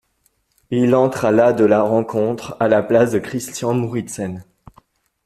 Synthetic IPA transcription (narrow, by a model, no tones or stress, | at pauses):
ilɑ̃t̪χalad̪əlaʁɑ̃kʰɔ̃t̪χalaplasd̪əkχist̪jɑ̃muʁit̪sɛn